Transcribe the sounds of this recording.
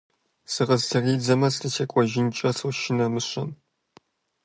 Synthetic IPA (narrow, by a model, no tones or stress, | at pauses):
sɨʁɐztʰɐriːd͡zɐmɐstɨt͡ʃʰɐkʷʼɔʒɪnt͡ʃʼɐsuʃɪnɐmɨɕʼɐm